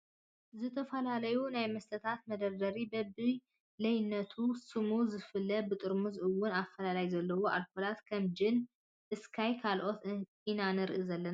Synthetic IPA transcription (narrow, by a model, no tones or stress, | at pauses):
zɨt̪ʰɐfɐlalɐjunajmɐst̪ʰɐt̪ʰat̪̚mɐd̪ɐɾd̪ɐɾibɐbɨ | lɐjnːɐt̪ʰusɨmuzɨfɨlːɐbɨt̪ʼɨɾmɨzʔɨwːʊnafɐlalajzɐlːɐwo̞ʔalkolat̪kʰɐmd͡ʒɪn | ʔɨskʰajkʰalʔo̞t̪ | inanɨɾɨʔɨzɐlːɐna